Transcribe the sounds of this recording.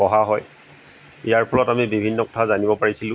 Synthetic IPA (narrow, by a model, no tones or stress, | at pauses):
ɔɦaɦɔj | ijaɹpʰɔlɔtamibibʱinːɔkɔ̥tʰazanibɔpaɹisilʊ̃